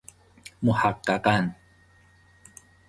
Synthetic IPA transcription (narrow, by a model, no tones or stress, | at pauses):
muħakːakan